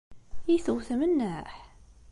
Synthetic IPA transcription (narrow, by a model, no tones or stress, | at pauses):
jiθuwθmənːæħ